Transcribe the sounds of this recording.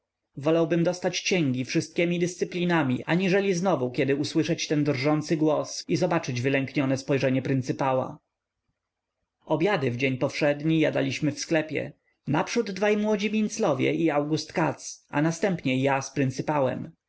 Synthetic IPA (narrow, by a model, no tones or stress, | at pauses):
vɔlawbɘmd̪ɔst̪at͡ɕkɕɛŋɡʲifʂɘst̪̚kʲɛmʲid̪ɘst̪sɘplʲinamʲiʔaɲiʐɛlʲiznɔvukʲɛd̪ɘuswɘʂɛt͡ɕt̪ɛnd̪rʐɔnt̪sɘɡwɔsizɔbat͡ʂɘd͡ʑvɘlɛŋkɲɔnɛspɔjʐɛɲɛpɾɘnt̪sɘpawa̰ | ɔbʲjad̪ɘvd͡ʑeɲpɔfʂɛd̪ɲijad̪a̰lʲiɕmɘfsklɛpʲjɛ̰ | napʂud̪ːvajmwɔd͡ʑimʲint̪slɔvʲjɛ̰ʔiawɡust̪kat̪sa̰nast̪ɛmpɲɛjaspɾɘnt̪sɘpawɛ̰m